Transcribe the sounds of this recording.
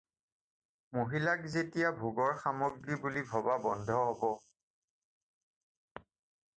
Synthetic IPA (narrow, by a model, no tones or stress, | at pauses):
moɦilakzetijabʱuɡɔɹxamɔɡɹibulibʱɔbabɔndʱɔɦɔbɔ